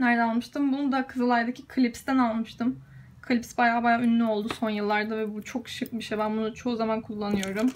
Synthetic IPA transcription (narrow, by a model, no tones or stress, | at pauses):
næɾd̪æalˠmɯʃt̪ʰɯmbunud̪akʰɯzɯlˠaɾd̪acʰikʰɯlʲipst̪ænalˠmɯʃt̪ʰɯm | kʰɯlʲipsbajaːbajaːynːʲyo̞lˠd̪uso̞njɯlˠːaɾd̪avɛbut͡ʃʰo̞kʃɯp̚biʃebænbunut͡ʃʰo̞uzamankʰulˠːanɯjo̞ɾum